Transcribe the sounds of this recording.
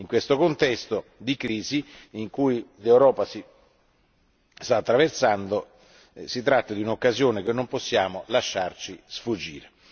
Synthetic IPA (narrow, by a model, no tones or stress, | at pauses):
iŋkwest̪okont̪ɛst̪od̪ikɾiːziːŋkujlewɾɔːpasi | st̪aːt̪ːɾaversand̪o | sit̪ɾat̪ːad̪iunokːazjoːnek̟enːomposːjaːmolaʃːart͡ʃisfud͡ʒːḭːɾe